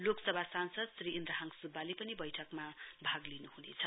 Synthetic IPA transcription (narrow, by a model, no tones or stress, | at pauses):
loksʌbʱasansʌd̪sɾiʔːnd̪ɾaɦaŋsubalepʌnibʌjʈʰʌkmabʱaɡlinuhunḛt͡sʰʌ